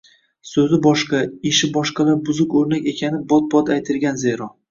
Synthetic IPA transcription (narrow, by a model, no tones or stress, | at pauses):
sɵzɪbɒʃqɑeʃɪbɒʃqɑlaɾbʊzʊkʲɵɾnakʲe̞kʲʰanɪbɒt̪̚bɒt̪ajt̪ʰɪɾɡʲanzeɾɒ